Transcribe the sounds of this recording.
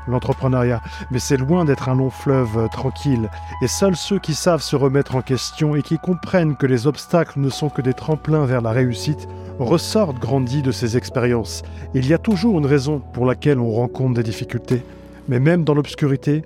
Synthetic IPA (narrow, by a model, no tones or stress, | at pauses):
lɑ̃t̪χəpχənaʁja | mɛsɛlwɛ̃d̪ɛt̪χɛ̃lɔ̃flœvt̪χɑ̃kʲʰilesœlsøkʲisavsəʁəmɛt̪χɑ̃kʲɛst̪jɔ̃ekʲikɔ̃pχɛnkəlezɔpst̪aklnəsɔ̃kəd̪et̪χɑ̃plɛ̃vɛʁlaʁeysit̪ | ʁəsɔʁt̪ɡʁɑ̃d̪id̪əsezɛkspeʁjɑ̃silijat̪uʒuʁynʁezɔ̃puʁlakʲɛlɔ̃ʁɑ̃kɔ̃t̪d̪ed̪ifikʲylt̪e | mɛmɛmd̪ɑ̃lɔpskʲyʁit̪e